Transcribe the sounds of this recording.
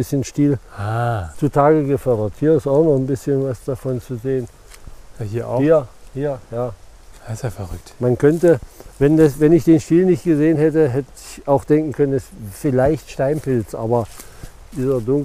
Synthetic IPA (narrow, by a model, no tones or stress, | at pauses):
ɪsçənʃtiːlat͡sutʰaːɡəɡəfœɐdɐthiːɐɪstaʊxnɔχn̩bɪsçənvasd̥afɔnt͡suzeːən | jhiːɐhːɐhiːɐjaːaseːfɛʁʏk̚tmankʰœntəvɛndasvɛnɪçd̥eːnʃtiːlnɪçt̚ɡ̥əzeːənɦɛtəɦɛtəɪçaʊxd̥ɛŋkŋ̩kʰœnənɛsfɪlaɪçtʃtaɪnpɪlt͡sʔa̰ːbɐ | diːzɐdʊŋ